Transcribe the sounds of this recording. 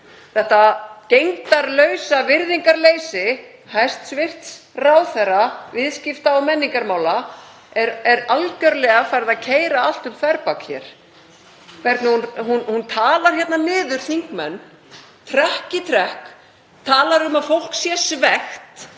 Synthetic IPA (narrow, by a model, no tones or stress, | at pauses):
θɛht̪acejŋt̪aɾlœːɥsavɪɾðiŋkaɾleːjsɪ | hajst̪svɪr̥t̪sraːwθɛravɪðscɪft̪aɔwmɛnːiŋkaɾmaːwla | ɛɾɛɾalcœɾlɛɣafaːjɾɪðacʰeːjɾaal̥t̪ʏmfaɾpakçɛ̰ɾ̥ | kvɛɾt̪nɪhunhunhunt̪ʰaːlaɾ̥çjɛt̪nanɪːðʏɾ̥θiŋkmɛnː | t̪ʰɾɛhcɪt̪ʰɾɛhk | t̪ʰaːlaɾʏmaðfowl̥ksjɛsvɛxt̪